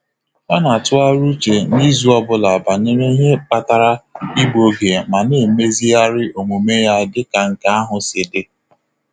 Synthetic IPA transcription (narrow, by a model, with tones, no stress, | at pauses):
ɔ˦na˨tʊ˦a˦ɾu˦t͡ʃe˨ni˦zu˦ɔ˦bʊ˦la˨ba˨ne˦ɾe˦ɲe˦pa˨ta˨ɾa˦i˦ɡ͡bo˨ɡe˨ma˨ne˦˨me˦zi˦a˦ɾɪ˦ʔo˨ŋo˨me˦ja˦dɪ˦ka˨ŋ̩˨ka˦a˦ɦʊ˨sɪ˨dɪ˦